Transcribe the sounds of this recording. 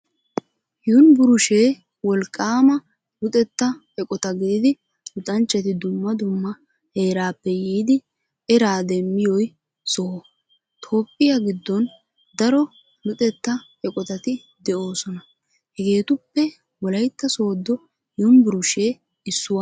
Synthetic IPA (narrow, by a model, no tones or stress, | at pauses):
jʊʊnbʊɾʊʃeː | wɔlkʼːaːmɐ | lʊt̪ʼɛt̪ːɐhɛkʼɔt̪ɐɡɪd̪ɪd̪ɪ | lʊt̪ʼɐnt͡ʃːɛt̪ɪd̪ʊmːɐd̪ʊmːɐ | he̞ːɾaːpːɛjiːd̪ɪ | ɛɾaːd̪ɛmːɪjɔj | so | t̪ʰo̞ːpʼːɪjaɡɪd̪ːɔn | d̪ɐɾɔ | lʊt̪ʼɛt̪ːɐhɛkʼɔt̪ɐt̪ɪ | d̪ɛʔo̞ːsɔnɐ | hɛɡe̞ːt̪ʊpːɛ | wɔlɐjt̪ːɐso̞ːd̪ːɔ | jʊʊnbʊɾʊʃe̞ː | ɪsːʊwa